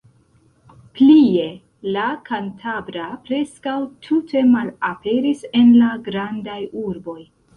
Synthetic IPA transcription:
plie̞ | lakantʰabɾapɾe̞skawtʰutʰe̞malape̞ɾise̞nlaɡɾandajuɾbo̞j

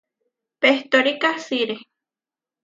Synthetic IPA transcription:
peht̪oɾikasiɾe

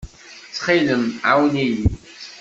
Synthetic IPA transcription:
t͡sːχiləmʕawniji

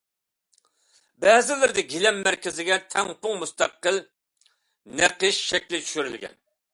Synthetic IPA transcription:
bɛːzɪlɪɾd̪ɪɡʲilɛmːæɾkʲɪzɪɡʲɛt̪ʰɛŋpʊŋmust̪ɑqːəl | næqəʃʃɛkʲlɪt͡ʃʰy̥ʃyɾy̰lɡʲɛ̰n

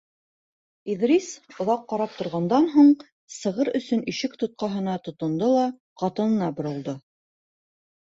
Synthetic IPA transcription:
iðrisŏðɑqːɑɾɑp̚t̪ŏɾʁɑnd̪ɑnɦuɴ | sɤ̆ʁɤɾɵ̆sɵniʃɘkt̪ŏt̪̚qɑɦɤ̆nɑt̪ŏt̪ŏnd̪olˠɑ | qɑt̪ɤ̆nɤ̆nɑbŏɾɤ̆lˠd̪o

